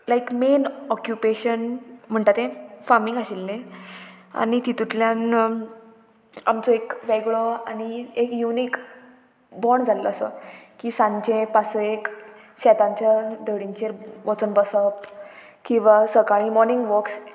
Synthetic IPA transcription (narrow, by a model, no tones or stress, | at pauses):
lajkmenɔkjupeɕənm̤əɳʈat̪ẽfaɾmiŋɡaɕilːẽ | a̰ɽ̃it̪it̪ut̪ljan | a̰mt͡sɔekʋɛɡɭoa̰ñiekjuniːk | bɔɾɳd͡zʱaləasə̰kiːsãɲt͡ɕẽpasəek | ɕɛt̪ãɲt͡ɕjad̪əɽiɲt͡ɕeɾʋɔt͡sənbəsəp | kĩw̃ʋasəkaɭimɔɾniŋɡʋəɾks